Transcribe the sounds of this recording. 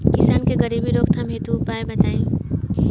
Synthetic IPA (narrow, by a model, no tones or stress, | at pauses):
kɪsaːnkeɡəɾiːbiɾoːkt̪ʰɐmɦeːt̪uʊpaːebɐt̪aːĩ